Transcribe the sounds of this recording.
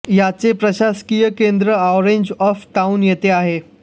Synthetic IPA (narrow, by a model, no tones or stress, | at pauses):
jat͡sepɾəɕaskijəkend̪ɾəaʋɾeɲd͡ʑɔfʈaunjet̪eaɦe